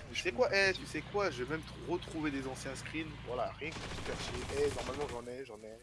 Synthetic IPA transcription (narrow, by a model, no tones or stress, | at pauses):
t̪ysɛkwaʔɛt̪ysɛkwaʒəvemɛmt̪ʁət̪χuved̪ezɑ̃sjɛ̃skχinvwalaʁjɛ̃kəsi̥ʃɛʁʃeʔɛnɔʁmalmɑ̃ʒɑ̃nɛʒɑ̃nɛ